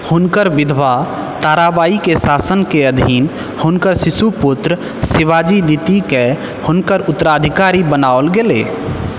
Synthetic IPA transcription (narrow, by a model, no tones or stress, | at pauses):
hunkəɾʋid̪ʱʋa | t̪aɾabaikesasənkeəd̪ʱin | hunkəɾsisuput̪ɾ | siʋad͡ʒid̪it̪ike | hʊnkəɾʊt̪ːəɾad̪ʱikaɾibənaolɡele